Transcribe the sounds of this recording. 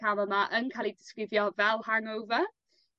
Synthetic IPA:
aməmaʔənkʰalˠidɪ̥skwɪvjɔvɛlˠhaŋowvə

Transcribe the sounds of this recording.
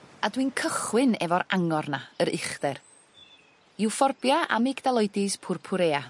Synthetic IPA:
adwinkʰəχwɪnɛvɔɾaŋɔrnaəɾɪχd̥ɛr | ɪwfɔrbjaʔa̰mɪɡdalˠɔjdɪspʰʊrpʰʊɾeːa

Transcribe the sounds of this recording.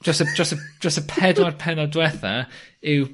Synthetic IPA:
d͡ʒəstəd͡ʒəstə̥d͡ʒəstəpʰɛdwarpʰɛnɔdwɛθaɪw

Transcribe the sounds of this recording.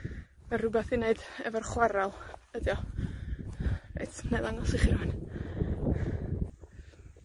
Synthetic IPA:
arʊbɛθineɨdɛvɔrχwaɾalˠədjɔ | ḛtʰneðaŋɔsiχian

